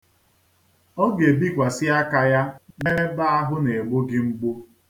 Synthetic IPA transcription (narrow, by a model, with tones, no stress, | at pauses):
ɔ˦ɡe˨bi˦kʷa˨sɪ˦a˦ka˦ja˦ne˦ɾe˦ba˦a˦ɦʊ˦ne˨ɡ͡bo˦ɡɪ˦ŋ͡m̩˦ɡ͡bu˦